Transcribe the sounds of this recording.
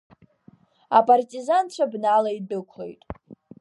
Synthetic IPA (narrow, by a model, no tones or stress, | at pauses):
apʼartʼizant͡ɕʷʰabnalaidɨkʷʰle̞̰jtʼ